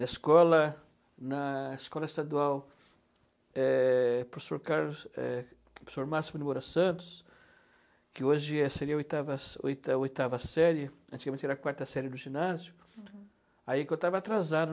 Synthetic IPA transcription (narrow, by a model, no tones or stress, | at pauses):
nɐɪskɔlɐ | nɐɪskɔlɐɪst̪ad̪uaw | ɛpɾofsoɾkaɾlʊɛ̰ | pɾosoɾmasimʊnɪmoɾɐsɐ̃nt̪ʊ̥s | kɪoʒɪɛseɾiɐojt̪avɐso̰jt̪ojt̪avɐsɛɾjɐɐ̃nt̪iɡamẽt͡ʃɛɾɐkwaɾt̪ɐsɛɾjɪd̪ʊʒinazjʊ | aikõwt̪avɐaːt̪ɾazad̪ɐ